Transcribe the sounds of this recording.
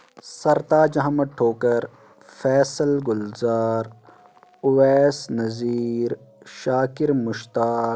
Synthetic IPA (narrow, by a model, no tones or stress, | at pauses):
sɐɾt̪aːd͡ʒɐɦmɐʈʰːoːkɐɾ | fɛːsɐlɡʊlzaːɾ | ʊweːsnɐziːɾ | ʃaːkiɾmʊʃt̪aː